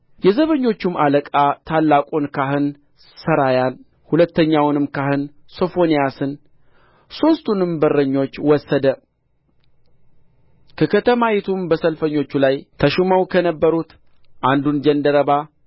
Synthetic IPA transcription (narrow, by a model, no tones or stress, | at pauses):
jɛzəβəɲːo̞t͡ʃːumʔaləkʼat̪ʰalːakʼonkʰaɦɨn | səɾajan | hulət̪ːəɲːawnɨmkahɨn | so̞fo̞nijasɨn | so̞st̪ʰunɨmbərːəɲːo̞t͡ʃːwɔsːəd̪ə | kʰəkʰət̪ʰəmajɛt̪ʰumbəsəlfəɲːo̞t͡ʃːulajt̪ʰəʃuməwkʰənəbːəɾut̪ | ʔand̪und͡ʒənd̪əɾəβa